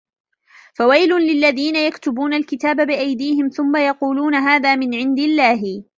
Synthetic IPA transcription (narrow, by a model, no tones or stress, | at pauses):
fawajlʊlɪlːaðiːnajakt̪ʊbuːnalkɪt̪aːbabɪʔajd̪iːhɪmθʊmːajɑquːluːnaɦaːðaːmɪnʕɪnd̪ɪlːaːɦɪ